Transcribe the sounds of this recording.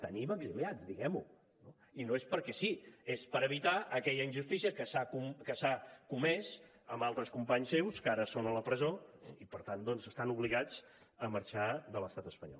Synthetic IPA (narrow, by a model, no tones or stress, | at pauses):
t̪ə̰niməɡziliad͡zd̪iɣɛmu | no | inoespəɾkɛsiespəɾəβit̪aʔəkɛʎəinʒust̪isiəkəsakumkəsakumɛz | əmbalˠt̪ɾəskumpaɲsːewskaɾəsonələpɾəzoipəɾt̪and̪ɔnzəst̪anuβliɣad͡z | əməɾt͡ʃad̪ələst̪at̪əspəɲɔ̰l